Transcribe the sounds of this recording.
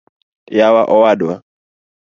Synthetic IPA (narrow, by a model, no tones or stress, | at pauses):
jawaʔɔwadwa